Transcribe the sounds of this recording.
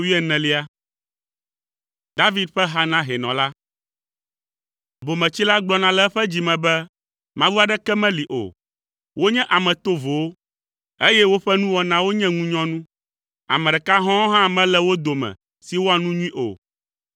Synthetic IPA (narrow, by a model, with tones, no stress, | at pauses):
wi˦ɛ˦nɛ̃˨li˦a˦ | d̪a˦vi˦d̪̚ɸɛ˦ɦa˦nã˦ɦɛ˨nɔ̃˨la˦ | bo˨mɛ̃˨t͡ɕi˦la˦ɡ͡blɔ˦nã˨lɛ˦ɸɛ˦d͡ʑi˨mɛ̃˨bɛ˦ | mã˦wu˦a˨ɖɛ˦kɛ˦mɛ̃˦li˨ʔo̰˨ | wo˦ɲɛ̃˦ʔa˨mɛ̃˨t̪o˦vo˨wo˦ | e˦jɛ˦wo˦ɸɛ˦nũ˦wɔ˦nã˦wo˦ɲɛ̃˦ŋũ˦ɲɔ̃˦nũ˦ | a̰˨mɛ̃˨ɖɛ˨ka˦ɦɔ̃˦ɦã˦mɛ̃˦lɛ˦wo˦d̪o˨mɛ̰̃˨ | si˨wo˦a˨nũ˦ɲũ˦ĩ˦ʔo̰˨